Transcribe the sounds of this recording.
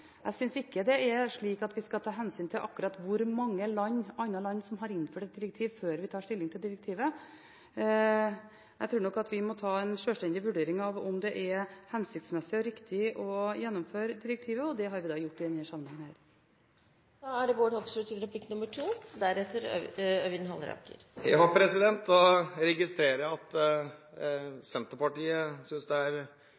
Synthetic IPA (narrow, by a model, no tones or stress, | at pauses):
ʔæ̰ɪsʏnsɪkːəd̪ɛɛɾʂɭiːkɑt̪ʋɪskɑt̪ʰɑːɦɛnsyːnt̪ʰɪlʔɑ̰kːʉɾɑt̪ʋʊɾmɑŋːəlɑɲːɑnɑlɑnːsɔmɦɑɾɪnːføːʈɛt̪̚d̪ɪɾək̚t̪ʰiːʋføːɾʋɪt̪ʰɑːʂʈ̪ɪlːɪŋt̪ʰɪld̪ɪɾək̚t̪ʰiːʋə | æɪt̪ʰɾuːnɔkːɑt̪ʋɪmɔt̪ʰɑːɛnʂøːlsʈ̪ɛnd̪ɪʋʉɖeːɾɪŋɑʋɔmd̪ɛʔɛɾhɛnsɪkt̪smɛsːɪɔɾɪkt̪ʰɪʔɔjɛnːɔmføːɾəd̪ɪɾək̚t̪ʰiːʋəɔd̪ɛɦɑɾʋɪd̪ɑːjʊʈːɪd̪ɛnhæːʂsɑmənɛŋːənhæːɾ | d̪ɑæɖɛʋoːɖɔksbət̪ʰyːd̪əɾəpʰlɪkːnʉmːəʈʰuːd̪æɾɛt̪ːəɾœʏənɦɑlːɾɑ̰kə̰ɾjæ̰ɪhɑpʰɾɛsɪd̪ɛnt̪ɔɾɛɡɪst̪ɾeːɾəjæɑt̪ | sɛnt̪əpɑʈiːəsʏnsd̪ɛæɾ